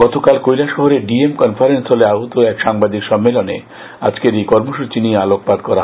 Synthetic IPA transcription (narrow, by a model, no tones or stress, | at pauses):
ɡɔt̪okalkojlaʃɔɦoɾeɖiemkɔnfʰaɾenst̪oleaɦot̪oɛkʃaŋbad̪ikʃɔmːelonḛ | a̰d͡ʑkeɾekɔɾmoʃut͡ɕiniealok̚pad̪kɔɾa